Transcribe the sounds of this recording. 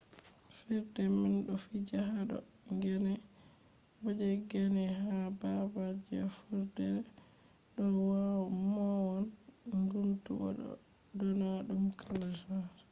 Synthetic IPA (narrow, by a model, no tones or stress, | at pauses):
fiɾdɛminɗɔfid͡ʒaɦaɗɔ̰ | ŋɡɛnɛ | bad͡ʒɛɡɛnɛhababad͡ʒiafuɾdɛ | ɗɔwawɔmɔwɔn | ɡuntṵɡɔ̰ɗɔ̰ | dɔnaɗumkʰalasaɾ